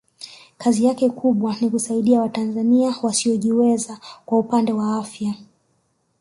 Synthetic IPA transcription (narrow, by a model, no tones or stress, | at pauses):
kazijakɛkʰuɓwanikusaiɗiawatanzaniawasiɔʄiwɛzakwaupandɛwaafja